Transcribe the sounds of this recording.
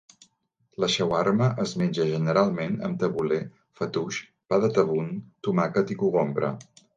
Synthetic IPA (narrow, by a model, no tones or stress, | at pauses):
ləʃɛwaɾməʔəzmenʲd͡ʒəʒənəɾalˠmenə̰mt̪əβule | fət̪uʃ | paðət̪əβunt̪umakət̪ikuɣombɾə̰